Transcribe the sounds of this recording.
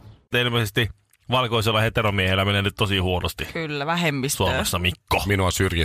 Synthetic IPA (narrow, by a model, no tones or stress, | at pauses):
elmesest̪i | ʋɑlkoiselːɑhet̪eromiehelːæmenenyt̪t̪osihuonost̪ikylːæʋæhemːissuomesːɑmikːominuɑsyrji